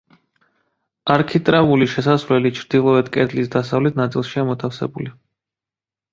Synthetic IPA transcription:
aɾkʰit̪ʼɾavuliʃɛsasvlɛlit͡ʃʰɾd̪̥ilˠɔɛt̪kʼɛt̪ʰlisd̪asavlɛt̪̚ʰnat̪sʼilˠʃiamɔt̪ʰafsɛ̰buli

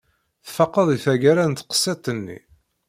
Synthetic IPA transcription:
θfɑqːəðˤiθæɡæɾænt̪qə̥sˤːet̪ˤːənːḭ

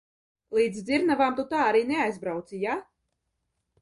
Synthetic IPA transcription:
lˠiːd̪zd̪ziɾnavaːmt̪ut̪aːaɾiːneajzbɾawt̪sija

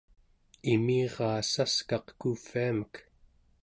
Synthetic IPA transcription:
imiːʁɑːsaskɑqkufiamək

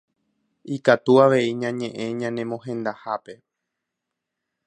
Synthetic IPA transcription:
ikat̪uaʋe̞iɲãɲẽ̞ʔẽ̞ɲãnẽ̞mõɦẽ̞nd̪ahape̞

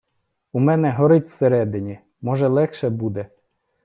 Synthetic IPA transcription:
umɛnɛɦɔɾɪt̪ʲwseɾɛd̪ɪnʲi | mɔʒɛlˠɛxʃɛbud̪ɛ

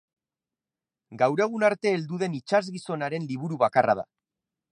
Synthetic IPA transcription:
ɡawɾe̞ɣ̞unaɾt̪e̞ːld̪uð̞e̞nit͡ʃazɣiso̞naɾe̞nliβuɾuβakaraða̰

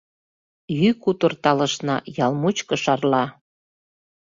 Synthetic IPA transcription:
jykut̪ərt̪ɑlə̆ʃnɑ̰jɑlmut͡ɕkə̆ʃɑrlɑ

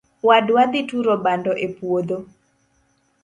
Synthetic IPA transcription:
wadwad̪ɪtuɾobandɔʔepwod̪o

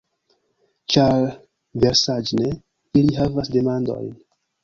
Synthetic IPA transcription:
t͡ʃaɾ | ve̞ɾsad͡ʒne | iliɦavasde̞mando̞̰jn

